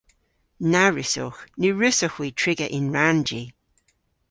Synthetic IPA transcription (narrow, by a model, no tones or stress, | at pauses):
naɹɪsʊxnəɹʉsʊxwiːtʰɹɪɡəʔɪnɹand͡ʒiː